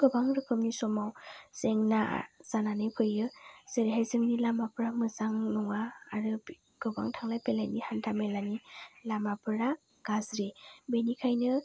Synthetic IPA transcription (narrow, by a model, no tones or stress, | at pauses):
ɡ̥ɯbaŋɾɯkʰɯmnisɔmawseŋna̰z̥ananɯjkʰɯjːɯseɾeɦajzɯŋnilamapɯɾamɯzaŋnɔŋaːɾɯ | ɡ̥ɯbaŋtʰaŋlajpelajnihantʰamelanilamapɯɾa | ɡ̥azɾebenikʰajnɯ